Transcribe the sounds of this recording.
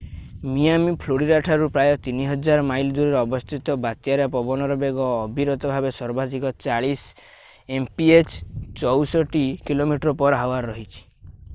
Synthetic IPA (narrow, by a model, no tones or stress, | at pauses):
mijamipʰloɽiɾaʈʰaɾupɾajɔt̪iniɦɔd͡ʒaɾɔmajlɔd͡ʒuɾiɾɔɔbɔst̪ʰit̪ɔbat̪jaɾjapɔbɔnɔɾɔbeɡɔːbʱiɾɔt̪ɔbʱabesɔɾbad̪ikɔt͡ʃaɭis | empiet͡ʃt͡ʃɔwsɔʈikilomiʈɾɔpɔɾɦawaɾːɔɦit͡ʃʰi̥